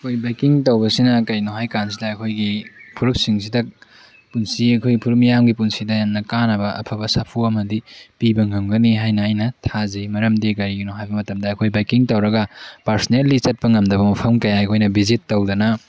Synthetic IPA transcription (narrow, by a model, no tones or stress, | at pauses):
ɐkʰojbajkiŋtɐwbɐsinɐkɐjnuɦajkansidɐːkʰojɡipʰuɾuk̚siŋsidɐ | punsiɐkʰojɡipʰuɾuk̚mijamɡipunsidɐjannɐkanɐbɐʔɐ̰pʰɐbɐsapʰuɐmɐdipibɐŋɐŋɡɐniɦajnɐajnɐtʰazemɐɾɐmdeɡɐɾiɡinoɦajbɐmɐtɐmdɐːkʰojbajkiŋtɐwɾɐɡɐpaɾsnelːit͡ʃɐt̚pɐŋɐmdɐβɐmupʰɐmkɐjajkʰojnɐbizitːɐwdɐnɐ